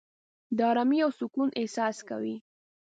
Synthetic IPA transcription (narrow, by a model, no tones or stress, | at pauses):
d̪əɑɾɑmiawsʊkunʔɪhsɑska̰wi